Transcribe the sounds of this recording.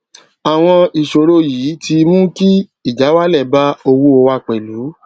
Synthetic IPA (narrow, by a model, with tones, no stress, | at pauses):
a˨w̃ɔ̃˧i˨ʃo˨ɾo˧jiː˨˦ti˧mũ˦ki˦ | i˦˨d͡ʒa˨˦wa˦lɛ˦˨ba˦o˧wu˧o˧wa˧k͡pɛ˨lu˨˦